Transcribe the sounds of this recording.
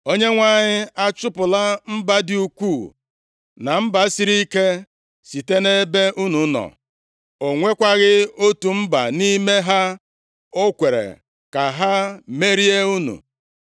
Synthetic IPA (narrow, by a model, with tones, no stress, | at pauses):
o˦ɲe˦ŋʷa˦˨ɲɪ˦a˦t͡ʃʊ˦pʊ˨la˦m̩˦ba˦dɪ˨u˨kʷuː˦˨ | na˨m̩˦ba˨˦si˦ɾi˦i˦ke˦ | si˨te˦ne˦be˦ʔu˦nu˨˦nɔ̰˨ | o˨ŋʷe˦kʷa˦ɣɪ˦o˦tu˨m̩˦ba̰˨ni˦me˦ɦa˦ | o˦kʷe˨ɾḛ˨ | ka˨ɦa˦me˦ɾi˦e˦u˦nṵ˨